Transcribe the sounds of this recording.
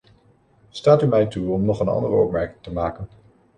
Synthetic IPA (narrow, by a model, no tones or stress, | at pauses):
staːtymɛjtuɔmnɔχənɑ̰ndərəɔ̰p̚mɛɹkɪŋtəmaːkən